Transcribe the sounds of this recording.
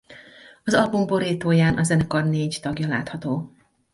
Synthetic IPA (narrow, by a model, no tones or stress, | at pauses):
ɒzɒlbumbo̞ɾiːt̪oːjaːnʔɒzɛnɛkɒrneːɟt̪ɒɡjɒla̰ːt̪hɒt̪oː